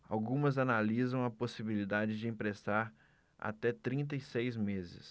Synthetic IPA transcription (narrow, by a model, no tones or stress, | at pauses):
a̰wɡũmɐzanalizɐ̃w̃ɐposibilid̪ad͡ʒɪd͡ʒɪĩpɾest̪aɾ | a̰t̪ɛt̪ɾĩnt̪̬ɐisejzmezɪ̰s